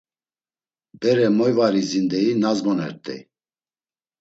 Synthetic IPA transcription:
bɛɾɛmɔjvaɾizind̪ɛinazmɔnɛ̰ɾt̪ʼɛ̰

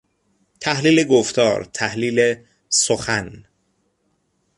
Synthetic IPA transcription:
t̪ʰæhliːleɡoft̪ɒ̰ːɾt̪ʰæhliːle | soxæn

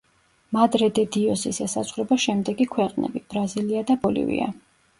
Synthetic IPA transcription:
mad̪ɾɛd̪ɛd̪iɔsisɛsazʁɾɛbaʃɛmd̪ɛɡikʰwɛqʼnɛ̰bib̥ɾaziliad̪abɔlḭvḭa̰

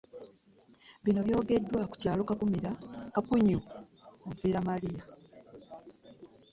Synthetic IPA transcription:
βino̞βjo̞ːɡe̞dːwaku̥caːlo̞kakumiɾakakuɲuofiːɾamalija

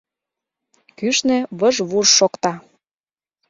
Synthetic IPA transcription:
kyʃnĕβəʒβuʒʃokt̪ɑ

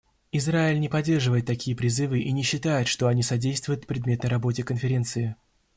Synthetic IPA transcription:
ɪzraɪlʲnʲɪpɐdʲːe̞rʐɨvəjɪt̪ːɐkʲijəpɾʲɪzɨvɨʔinʲɪɕːɪt̪ajɪt̪ʂt̪o̞ɐnʲisɐdʲejst̪vʊjʊt̪pɾʲɪd̪mʲe̞t̪nəjɾɐbo̞tʲɪkənfʲɪɾʲe̞nt̪sɨɪ

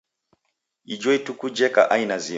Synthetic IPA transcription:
id͡ʒɔitukud͡ʒɛka̰ʔainazi

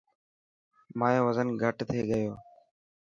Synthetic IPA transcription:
maːjõːʋəzənɡʱəʈt̪ʰeːɠəjoː

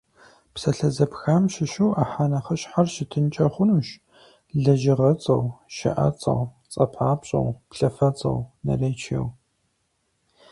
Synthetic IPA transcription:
psɐɬɐzɐpxaːmʃɪʃuwaːħaːnɐχɐɕħarʃɪtʰɨnt͡ʃʼɐχʷʊnuːʃ | ɮɐʒɪʁɐt͡sʼɐwʃɐ̰ʔɐ̰t͡sʼɐ̰w | t͡sʼɐpʰħaːpɕʼɐ̰wpɬɐfɐt͡sʼɐ̰wnɐ̰reːt͡ʃʰḛw

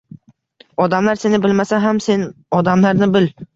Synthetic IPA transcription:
ɒd̪amlaɾse̞nɪbɪlmasaɦamsenɒd̪amlaɾnɪbɪl

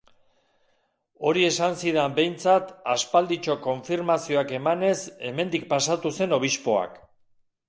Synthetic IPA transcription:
o̞ɾie̞sansiðambe̞jnt͡sat̪aspald̪it͡ʃo̞ko̞ɱfiɾmasio̞ake̞mane̞se̞me̞nd̪ik̚pasat̪use̞no̞β̞ispo̞a̰k

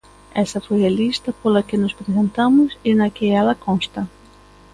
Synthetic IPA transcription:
ɛsɐfojɐlist̪ɐpolɐkɪnʊspɾezẽnt̪amʊsɪnɐkɪɛlɐkõnst̪ɐ

